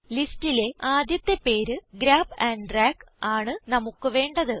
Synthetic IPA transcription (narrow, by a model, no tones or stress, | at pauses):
listile̞aːd̪jɐt̪ːepːeːɾɨɡɾaːbɐɳɖraːk | aːɳɨnɐmukːɨʋe̞ːɳɖɐðɨ